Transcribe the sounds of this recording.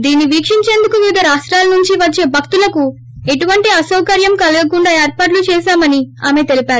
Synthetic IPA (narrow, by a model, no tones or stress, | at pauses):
d̪iːnːiʋiːkʂiɲt͡ʃe̞ːnd̪ukuʋiːd̪ɐɾaːʂʈɾaːlɐnuɲt͡ʃiʋɐt͡ʃːe̞ːbʱɐk̚t̪ulɐku | e̞ʈuʋɐɳʈiɐsɐwkɐɾjɐmkɐlɐɡɐkuɳɖaːeːɾpaːʈ̬lut͡ʃɛːʃaːmɐniaːme̞t̪e̞lipaːɾu